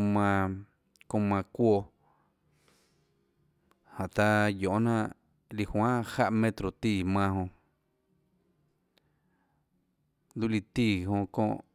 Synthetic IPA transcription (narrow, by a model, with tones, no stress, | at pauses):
mã˧ | kõ˧mã˧kʷo˧ | hã˨ʔt̪a˧jõ˨n̥ã˦˧˨ʔ | li˧hwãː˦˧ha˧ʔmẽ˧t̪ɾo˨t̪iː˧˨mã˧ɦõ˧ | d̪u˦li˧˨t̪iː˧˨hõ˧kõ̰ː˧ʔ